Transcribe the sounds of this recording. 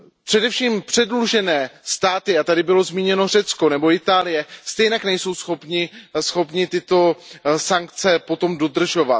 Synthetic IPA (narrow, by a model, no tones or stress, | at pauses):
pr̝̥ɛdɛfʃiːmpr̝̥ɛdluʒɛnɛːst̪aːt̪ɪat̪adɪbɪlo̞zmiːɲɛno̞r̝ɛt͡sko̞nɛbo̞ɪt̪aːlɪjɛst̪ɛjnaknɛjso̞wsxo̞pɲɪsxo̞pɲɪt̪ɪt̪o̞saŋkt͡sɛpot̪o̞mdo̞d̪r̩ʒo̞va